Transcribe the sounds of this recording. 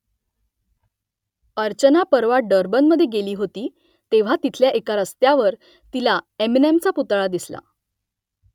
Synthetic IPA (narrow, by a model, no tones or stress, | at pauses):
əɾt͡ɕənapəɾʋaɖəɾbənməd̪ʱjeɡeliːɦot̪iː | t̪eʋ̤at̪it̪ʰljaʔekaɾəst̪jaʋəɾ | t̪ilaemnemt͡saput̪ɭad̪isla̰